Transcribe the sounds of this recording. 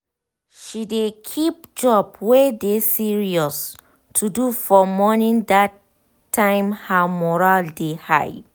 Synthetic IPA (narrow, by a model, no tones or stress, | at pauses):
ʃidekʰip̚d͡ʒɔbwɛdesiɹiɔs | tʰudufɔmɔnĩŋdatʰː | ãɪ̃mhamɔɹaldeha̰j